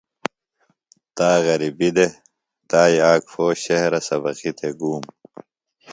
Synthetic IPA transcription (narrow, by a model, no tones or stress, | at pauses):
t̪aːɣɐɾibid̪e | t̪aːjaːkfoːɕehɾɐsɐbɐqit̪ʰeɡuːm